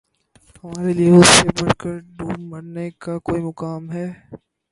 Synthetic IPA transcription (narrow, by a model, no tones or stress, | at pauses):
hɐmaːɾelieʊsːebɐɽkəɾɖuːmɐɾnekakoːimʊkaːmɦɛː